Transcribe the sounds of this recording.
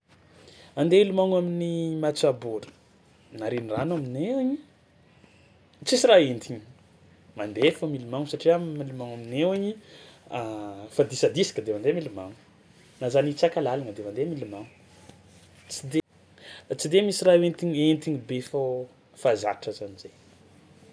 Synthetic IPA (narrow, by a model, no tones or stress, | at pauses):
and̪eilumaŋaminimat͡saboɾə̥ | naɾeniranamineaɲi | t͡sisiɾaent̪iɲi̥ | mand̪efəmilumaŋusaʈ͡ʂiamilumaŋamineaɲiafad̪isad̪isi̥kəd̪emand̪emilumaŋu̥ | nazanit͡sakalalanəd̪emand̪emilumaŋu | t͡sid̪e | t͡sid̪emisiraent̪iɲent̪iɲibefa | faza̰ʈ͡ʂəzanizej